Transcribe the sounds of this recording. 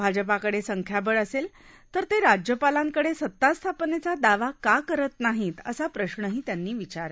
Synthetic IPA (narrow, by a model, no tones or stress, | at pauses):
bʱad͡ʑəpakəɽesəŋkʰjabəɭəsel | t̪əɾt̪eɾad͡ʑjəpalãŋkəɽesət̪ːast̪ʰapnet͡sad̪aʋakakəɾət̪naɦiːt̪ə̰sapɾəɕɳəɦiːt̪janːiːʋit͡ɕaɾ